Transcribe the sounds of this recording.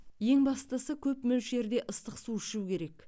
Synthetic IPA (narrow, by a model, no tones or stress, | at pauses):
je̞ŋbɑst̪əsəkʲʰɵpmɪwʃe̞ɾd̪e̞ʔəst̪əqsuɪʃukʲʰe̞ɾe̞k